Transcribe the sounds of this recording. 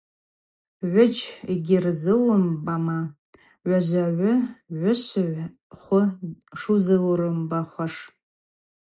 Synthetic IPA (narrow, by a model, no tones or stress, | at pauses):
ʕʷʊt͡ʃʰɡʲɪrzɨlʊmbama | ɥʷaʒʷaʕʷʊʕʷʊɕʷɨʕ | χʷʊʂuzɨlrɨmbaχʷaʂ